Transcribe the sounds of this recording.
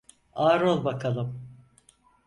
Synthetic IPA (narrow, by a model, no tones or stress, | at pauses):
aːɾolˠbakʰalˠɯm